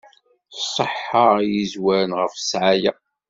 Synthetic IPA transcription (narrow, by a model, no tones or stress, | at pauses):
sˤəħəʁjizwæɾənʁəfsʕajæ